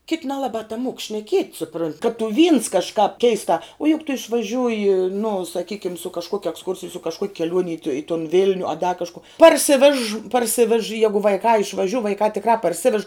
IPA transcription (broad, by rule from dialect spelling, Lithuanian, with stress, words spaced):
kʲɪtʲ nʲɛlˠɐˈbɑː tɐˈmuɔk ʃʲnʲɛˈkʲiɛtʲ sʊˈprʊnʲtʲ kɐt tʊ ʋʲiːns kɐʃˈkɑːp ˈkʲɛɪstɑː oː jʊk tʊ ɪʃʋɐˈʒʲuːjɪ nʊ sɐˈkʲiːkʲɪm sʊ kɐʃˈkuɔkʲ ɛksˈkʊrʲsʲɪj sʊ kɐʃˈkuɔkʲ kʲɛˈlʲuɔnʲ ɪ tʊ tʊn ˈʋʲɪlʲnʲʊ ɐ dɐ kɐʃˈkʊ pɐrʲˈsʲɪʋʲɛʃ pɐrʲˈsʲɪʋʲɛʃ ˈjæːɡʊ ʋɐɪˈkɑː ɪʃʋɐˈʒʲʊ ʋɐɪˈkɑː tʲɪkˈrɑː pɐrʲˈsʲɪʋʲɛʃ